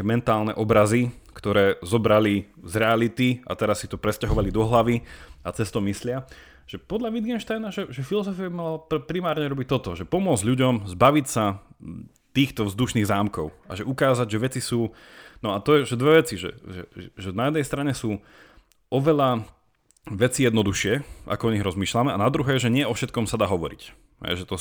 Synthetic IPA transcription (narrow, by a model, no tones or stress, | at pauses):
ɛmɛnt̪aːlnɛ̰ʔɔbɾazi | kt̪ɔɾɛːzɔbɾalizɾɛalit̪ia̰t̪ɛɾasːit̪ɔpɾɛscaɦɔʋalid̪ɔɦlaʋiat͡sɛst̪ɔmislɪa | ʒ̥ɛpɔd̪ʎaʋid̪ɡɛnʃt̪aɪnaʒɛʒɛfilɔzɔfiabimalappɾimaːɾɲɛɾɔbic̚t̪ɔt̪ɔʒɛpɔmʊɔd͡zɟʎuɟɔmzbaʋicsa | t̪iːxt̪ɔvzd̪uʃniːɣzaːmkɔʊa̰ʒɛʔukaːzaɟʒɛʋɛt͡sisuː | nɔat̪ɔjɛʒɛd̪ʋɛʋɛt͡siʒɛ̰ʒɛ̰ɛʒɛnajɛd̪nɛjst̪ɾaɲɛsuː | ʔɔʋɛʎa | ʋɛt͡sijɛd̪nɔd̪uʃɪɛʔa̰kɔɔɲiɣɾɔzmiːʃlamɛa̰nad̪ɾuɦɛːʒɛɲɪɛɔfʃɛt̪kɔmsad̪aːɦɔʋɔɾḭc | ɦɛ̰jʒɛt̪ɔ